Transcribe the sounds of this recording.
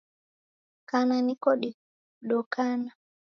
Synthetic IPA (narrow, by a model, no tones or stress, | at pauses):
kananikɔɗi | ɗɔkana